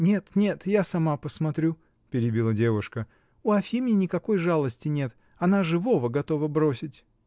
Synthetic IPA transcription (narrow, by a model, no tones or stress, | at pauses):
nʲe̞t̪nʲe̞t̪jasɐmapəsmɐt̪ɾʲu | pʲɪɾʲɪbʲilˠadʲe̞vʊʂkə | uɐfʲimʲɪnʲɪkɐko̞jʐalˠəsʲtʲɪnʲe̞t̪ | ɐnaʐɨvo̞vəɡɐt̪o̞vəbɾo̞sʲɪtʲ